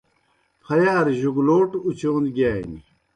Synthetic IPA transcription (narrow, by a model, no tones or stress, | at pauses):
pʰɐjaːɾʑuɡloːʈut͡ɕoːnd̪ɡaːḭni